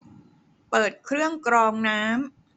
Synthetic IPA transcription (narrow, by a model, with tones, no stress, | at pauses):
pɤː˨˩t̪̚kʰɾɯ˥˩əŋkɾɔː˧ŋnaː˦˥m